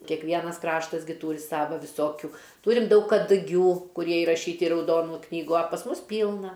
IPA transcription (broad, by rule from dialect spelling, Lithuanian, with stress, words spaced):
kʲɛkˈʋʲiɛnɐs ˈkrɑːʃtɐs ɡʲɪ ˈtuːrʲɪ ˈsɑːʋɐ ʋʲɪˈsoːkʲʊ ˈtuːrʲɪm ˈdɐʊk kɐdʊˈɡʲuː kʊˈrʲiɛ ɪrɐˈʃʲiːtʲɪ ɪ rɐʊˈdoːnuː ˈknʲiːɡuː ɐ pɐs ˈmʊs ˈpʲiːlˠnɐ